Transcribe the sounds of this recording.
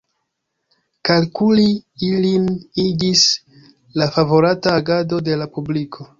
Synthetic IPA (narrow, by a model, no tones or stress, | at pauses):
kalkuliilinid͡ʒis | lafavo̞ɾataːɡado̞de̞lapublikʰo̞